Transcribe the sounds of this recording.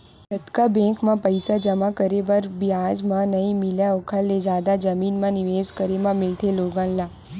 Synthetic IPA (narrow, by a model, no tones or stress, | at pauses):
t̪ət̪kabɛ̃kmãpəjsad͡ʒəmakəɾebəɾbjaːd͡ʒmãnəɦĩmɪljaokʰaled͡ʒaːd̪ad͡ʒəmiːnmãnɪʋeːzkəɾemãmɪlt̪ʰeloːɡãːnlaː